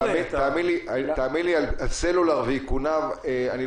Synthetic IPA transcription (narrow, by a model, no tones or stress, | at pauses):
amiaːmiliat̪aːmilialalselulaʁveikunaveani